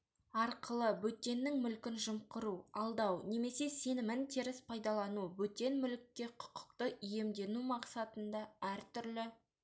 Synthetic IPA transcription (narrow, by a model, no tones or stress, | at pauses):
ɑɾqəlˠəbɵt̪ːe̞nːɪŋmʏlkʲɪnʒʊmqəɾuɑlˠd̪ɑwne̞me̞se̞se̞nɪmɪnt̪ʰiɾɪspʰɑjd̪ɑlˠɑnubɵt̪e̞nmʏlɪkʲːe̞qʰʊ̥qʰə̥qt̪əʔʏje̞md̪e̞numɑqsɑt̪ənd̪ɑæɾt̪ʰʏɾlɪ